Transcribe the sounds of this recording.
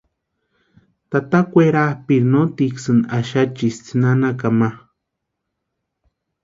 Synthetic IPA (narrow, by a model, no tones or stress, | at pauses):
t̪at̪akʷeɾahpiɾnot̪iksɨnaʃat͡ʃist͡sɨnanakama